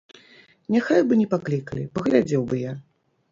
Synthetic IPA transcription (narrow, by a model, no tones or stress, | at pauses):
nʲaxajbɨnʲɛpaklʲikɐlʲḭpɐɣlʲad͡zʲɛwbɨja